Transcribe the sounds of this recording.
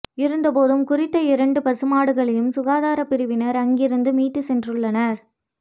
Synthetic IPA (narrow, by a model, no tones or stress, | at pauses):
ɪɾɯnd̪ɐpoːðɯmkʊrɪt̪ːɐɪɾɐɳɖɯpɐsɯmaːɽɯɣɐɭɐjɯmsʊɣaːðaːɾɐpɪɾɯʋɪnɐɾɐŋɡɪɾɯnd̪ɯmiːt̪ːɯsɛndrɯɭːɐnɐɾ